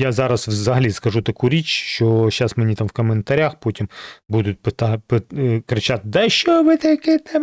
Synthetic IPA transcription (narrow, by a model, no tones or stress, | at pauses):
jazɑɾɐswzɐɦɐlʲiskɐʒut̪ɐkuɾʲit͡ʃʲʃt͡ʃɔʃasmenʲit̪amwkɐment̪ɐɾʲaxpɔtʲimbud̪ʊt̚ʲpt̪ɑpɪkɾɪt͡ʃat̪ɪd̪ɐʃt͡ʃɔʋɪt̪ɐjɐkɪt̪ɛm